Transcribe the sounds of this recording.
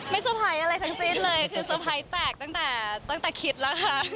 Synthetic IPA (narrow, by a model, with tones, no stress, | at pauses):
ma˥˩jsa˧pʰaː˨˦jʔa˧ɾa˧jt̪ʰa˦˥ŋsi˥˩nlɤː˧jkʰɯː˧sa˧pʰa˧˦jt̪ɛː˨˩k̚t̪a˥˩ŋt̪ɛː˨˩t̪a˥˩ŋt̪ɛː˨˩kʰi˦˥t̪̚la˦˥kʰa˦˥˩